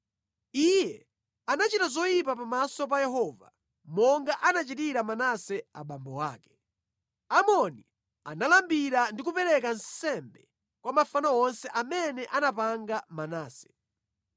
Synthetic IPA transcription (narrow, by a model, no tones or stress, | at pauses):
ijɛ | anat͡ʃitazɔjip̬apamasɔp̬ajɛɦɔva̰ | mɔŋɡaʔanat͡ʃitiɾamanasɛa̰ɓambɔwa̰ːkɛ̥ | amɔni | a̰nalambiɾandik̬upɛɾɛkansɛmbɛ | kwamafanaɔnsɛʔamɛnɛʔanapaŋɡamanaːsɛ̥